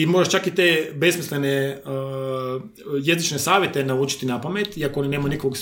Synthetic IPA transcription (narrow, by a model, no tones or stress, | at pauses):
imo̞ːɾaʃt͡ʃakit̪eːbe̞smisle̞ne | je̞zit͡ʃnesaːʋjet̪e̞nauːt͡ʃi̥t̪inapame̞t̪iakoo̞nine̞ːmajunikokoɡs